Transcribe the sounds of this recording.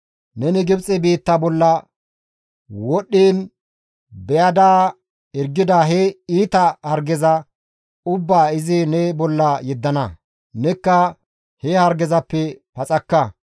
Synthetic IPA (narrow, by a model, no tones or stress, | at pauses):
nɛnɪɡɪbt͡sʼɛbiːt̪ːɐbɔlːɐ | wɔɗːiːn | bɛjɐd̪aː | ɛɾɡɪd̪aɦɛiːt̪ɐhɐɾɡɛzɐ | ʊbːaːɪzɪnɛbɔlːɐjɛd̪ːɐnɐ | nɛkːɐ | hɛhɐɾɡɛzɐpːɛpɐt͡sʼɐkːɐ